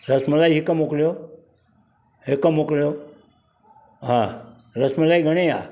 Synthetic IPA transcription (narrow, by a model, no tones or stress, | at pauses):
ɾəsməlaiɦikəmokljo | ɦekəmokljo | ɦã | ɾəsməlaiɡʱəɽ̃ea̰